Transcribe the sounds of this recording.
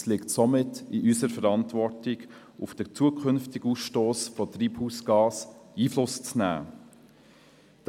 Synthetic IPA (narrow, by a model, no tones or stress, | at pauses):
slɪktsɔmɪtɪʔysəɾfɛɾɑntvɔɾtɪɡ̥ | ʊfd̥ət͡suəkʰχʏnftɪɡuːsʃtoːsfɔtriːphuːsɡ̥ɑːsiːflʊst͡snæ̰ː | d̥